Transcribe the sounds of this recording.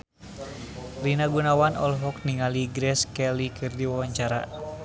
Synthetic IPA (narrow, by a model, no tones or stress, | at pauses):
rinaɡunawanɔ̰lɦɔk̚niŋaliɡɾɛskɛlikʰɨrdiwawaɲt͡ʃaɾa̰